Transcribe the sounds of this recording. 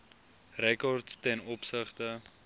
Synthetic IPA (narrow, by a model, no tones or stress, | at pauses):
rɛkɔrtstɛnɔpsəχtə